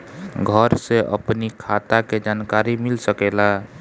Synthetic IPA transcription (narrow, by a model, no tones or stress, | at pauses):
ɡʱəɾseʔə̰pnikʰat̪aked͡ʒankaɾimilsəkela